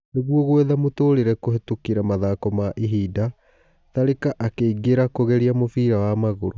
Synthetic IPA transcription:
neɣwɔɣwɛðamotoːɾeɾɛkoɦetukeɾamaðaːkɔmaʔiɦiːda | taɾekaʔakeiɡeɾakoɣɛɾiamofiːɾawamaɣoɾo

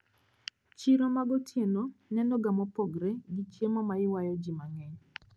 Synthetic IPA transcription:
t͡ʃiɾomaɡɔtjenɔnɛnɔɡamɔpɔɡɾɛɡit͡ʃemɔmaɪwajɔd͡ʒimaŋɛɲ

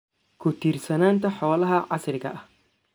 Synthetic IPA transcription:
kʰʊt̪iːrsɐnaːnt̪ʰɐħɔːlɐɦɐʕɑsrɪkɐ̰ʔɐh

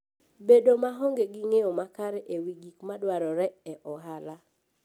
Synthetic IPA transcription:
bedomaɦɔŋɡeɡiŋeomakaɾeʔewiɡikmadwaɾɔɾɛɛʔɔɦala

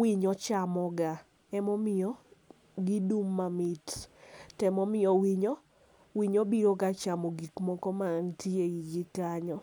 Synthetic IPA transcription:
wiɲɔt͡ʃamɔɡa | ɛmɔmɪɔ | ɡɪdumːamɪttɛmɔmɪjɔwiɲɔ | wiɲobiɾokat͡ʃamɔɡikmɔkɔmaŋtieiɡɪkaɲɔ

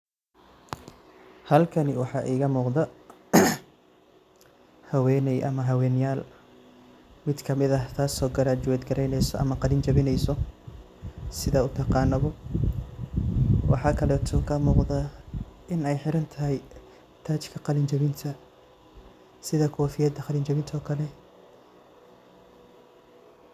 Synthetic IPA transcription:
hɐlkʰɐnɪwɑħɑːʔiːɣɐmuːqd̪ɐ | hɐwɛːnɛjʔɐ̰mɐɦɐwɛːnjaːl | mɪd̪kʰɐmɪðɐht̪ʰaːsɔːɡɐɾaːt͡ʃʊwɛːd̪ɡɐɾɛjnɛjsɔʔɐ̰mɐqɑlɪnt͡ʃɐβɪnɛjsɔ | sɪðɐʊt̪ʰɑqɑːnːɐβɔ | wʔɑ̰ħɑːkʰɐlɛːt̪ʰɔkʰɐmuːqðɐʔɪnɛjħɪɾɐnt̪ʰɐɦɛj | t̪ʰaːt͡ʃkʰɐqɑlɪnt͡ʃɐβɪnt̪ʰɐ | sɪðɐkʰɔːfɪjɐd̪ɐqɑlɪnt͡ʃɐβɪnt̪ʰɔːkʰɐlɛ

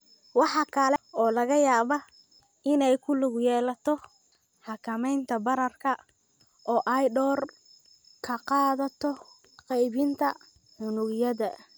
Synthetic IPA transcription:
wɑħɑkʰɐlɛɔːlɐɣɐjaːβɐ | ɪnɛjkʰʊlʊɣjɛːlɐt̪ʰɔ | ħɑkʰɐmɛjnt̪ʰɐbɐɾɐrkʰɐ | ʔɔːʔɐjɖɔːr | kʰɐqɑːðɐt̪ʰɔ | qɛjβɪnt̪ʰɐ | ħʊnʊɣjɐðɐ

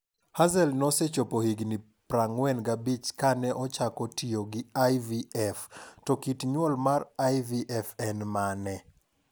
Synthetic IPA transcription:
hazɛlnɔsɛt͡ʃopohiɡni | pɾaŋwɛnɡabit͡ʃkanɛʔɔt͡ʃakɔtioɡɪajviɛftɔkitɲwɔlmarajviʔɛfɛnmanɛ

